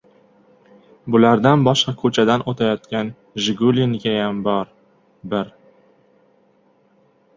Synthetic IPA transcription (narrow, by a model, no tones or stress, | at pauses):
bʊlaɾd̪anbɒʃqɑkʰɵt͡ʃʰad̪anot̪ʰajɒt̪kʲan | ʒɪɡuliŋɡʲajambɒɾ | bɪɾ